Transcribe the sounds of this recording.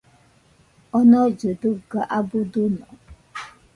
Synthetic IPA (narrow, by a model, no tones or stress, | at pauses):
ɔnɔd͡ʒodʊɡaʔabʊdʊnɔ